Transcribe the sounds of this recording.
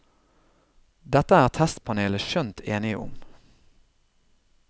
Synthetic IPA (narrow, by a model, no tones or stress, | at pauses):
d̪ɛt̪əæːʁt̪ʰɛst̪pʰɑneːləʃœnt̪ʰeːnɪə̰ʔʊ̰m